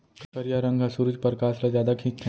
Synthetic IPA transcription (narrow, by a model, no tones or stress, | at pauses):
kɐɾjaɾɐ̃ŋɡʱasuɾʊd͡ʒpɐɾkaːslazjaːd̪akʰĩt͡ʃʰ